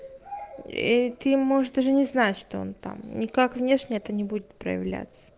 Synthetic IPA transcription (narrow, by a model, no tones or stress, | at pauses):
ḭt̪ɨmoʐɨʂd̪aʐɨnʲɪznatʲʂt̪oo̰nt̪a̰mnʲɪkakvnʲe̞ʂnʲɪɛt̪ənʲɪbudʲɪt̪̚pɾə̰jɪ̰vlʲæ̰t̪sə̥